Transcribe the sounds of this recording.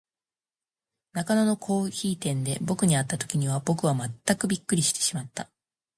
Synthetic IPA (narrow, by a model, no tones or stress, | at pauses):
nakanono̞kʰo̞ːçiːt̪ẽ̞nd̪e̞bo̞kɯ̟ɲ̟iat̪ːat̪o̞̥kʲiɲ̟iβ̞abo̞kɯ̟β̞amat̪ːakɯ̟bʲikːɯɾʲiɕi̥t̪e̥ɕimat̪ːa